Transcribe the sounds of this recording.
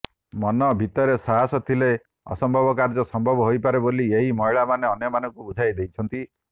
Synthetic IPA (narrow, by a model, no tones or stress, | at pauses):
mɔnɔbʱit̪ɔɾesaɦasɔt̪ʰile | ɔ̰sɔmbʱɔbɔkaɾd͡ʒɔsɔmbʱɔbɔɦojpaɾebolieɦimɔiɭamaneɔnjɔmanɔŋkubud͡ʒʱajd̪ejt͡ʃʰɔnt̪i